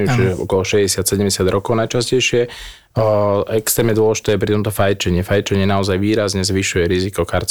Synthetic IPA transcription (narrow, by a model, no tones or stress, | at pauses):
t͡ʃiʒɛɔ̰kɔlɔʃɛzɟɛsat̪sɛɟɛmɟɛsɪad̪ɾɔkɔʊnajt͡ʃascɛjʃɪɛ | ɛkst̪ɾɛːmɲɛd̪ʊɔlɛʒit̪ɛːap̬ɾit̪ɔmt̪ɔfajt͡ʃɛɲɪɛfajt͡ʃɛɲɪɛnaɔzajʋiːɾazɲɛzʋiʃujɛɾizikɔxaɾt͡s